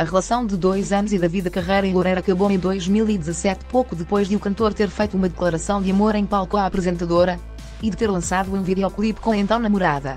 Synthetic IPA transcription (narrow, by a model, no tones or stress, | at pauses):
ɐʁɨlˠɐsɐ̃w̃d̪ɨðojzɐnuziðɐviðɐkɐʁɐjɾɐẽlˠuɾɐjɾɐkɐβoẽj̃d̪ojʒmilˠid̪ɨzɐsɛt̪pokuðɨpojʒðɨukɐ̃nt̪oɾt̪eɾfɐjt̪uumɐðɨklˠɐɾɐsɐ̃w̃d̪ɨɐmoɾɐ̃j̃palˠkɔaɐpɾɨzẽnt̪ɐðoɾɐ | iðɨt̪eɾlˠɐ̃saðuẽviðjɔklˠiβkõẽnt̪ɐ̃w̃nɐmuɾaðɐ̰